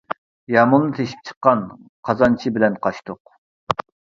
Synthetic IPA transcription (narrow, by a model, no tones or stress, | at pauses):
jɑmulˠnɨt̪ʰeʃi̥p̚t͡ʃʰə̥qːɑn | qʰɑzɑnt͡ʃʰibɪlɛnqʰɑʃt̪ʊq